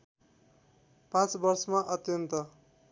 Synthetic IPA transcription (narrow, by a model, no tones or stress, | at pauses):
pãt͡sbʌrsʌmaʔʌt̪jʌnt̪ʌ